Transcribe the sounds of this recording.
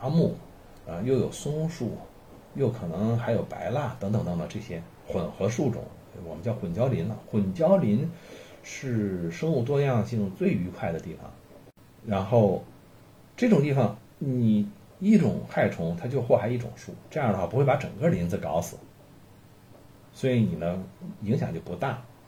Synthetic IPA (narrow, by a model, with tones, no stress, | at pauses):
a˧˥mu˥˩˧ | jo˥˩ʊjo˨˩ʊsʊ˥ŋʂu˥˩ | jo˥˩ʊkʰɤ˨˩nɤ˧˥ŋxa˧˥ɪjo˨˩ʊpa̰˧˥ɪla˥˩t̪ɤ˧˥ŋt̪ŋt̪ɤ˧˥ŋd̪ə˧ʈ͡ʂɤ˥˩ɕjɛ˥ | xwə˨˩nxɤ˧˥ʂu˥˩ʈ͡ʂʊ̰˨˩˦ŋ˧wɔ˨˩mə˦nt͡ɕjɑ˥˩ʊxwə˨˩nt͡ɕjɑ˥ʊli˧˥nɐ̰˧xwə˨˩nt͡ɕjɑ˥ʊli˧˥n | ʂɻ̩˥˩ʂɤ˥ŋu˥˧t̪wɔ˥jɑ˥˧ŋɕi˥˧t͡swe˥˩ɪy˧˥kʰwa˥˩ɪd̪ə˩t̪i˥˩fɑ̰˨˩ŋ | ɻa˧˥nxo˥˧ʊ | ʈ͡ʂɤ˥˩ʈ͡ʂʊ˨˩ŋt̪̬i˥˩fɑ˨˩ŋ | ni˨˩ | i˥˩ʈ͡ʂʊ̰˨˩ŋxa˥˩ɪʈ͡ʂʰʊ˧˥ŋt̪ʰa˥t͡ɕjo˥˧ʊxwɔ˥˩xa˧˥ɪi˥˩ʈ͡ʂʊ̰˨˩ŋʂṵ˥˩ʈ͡ʂɤ˥˧jɑ˥˩d̪ə˧xwa˥˩pu˧˥xwe˥˩pa˧˥ʈ͡ʂɤ̰˨˩ŋɡə˧li˧˥nd͡zɹ̩˥˧kɑ˧˥ʊsɹ̩˨˩˦ | swɔ˧˥i˧˥ni˨˩nə˦i˧˥ŋɕ̬jɑ˨˩ŋt͡ɕjo˥˩ʊpu˧˥t̪a˥˩